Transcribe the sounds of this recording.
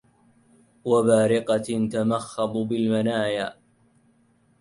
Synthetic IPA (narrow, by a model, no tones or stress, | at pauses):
wabaːɾɪqɑt̪amaxːɑb̪ˤbɪlmanaːjaː